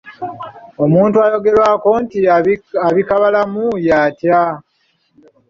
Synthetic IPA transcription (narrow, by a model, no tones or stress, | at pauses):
o̞muːntuajo̞ɡe̞ɾwako̞ntiaβikaβalamujaːtja